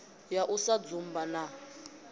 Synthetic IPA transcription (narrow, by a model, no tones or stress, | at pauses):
jaʔusad͡zumbana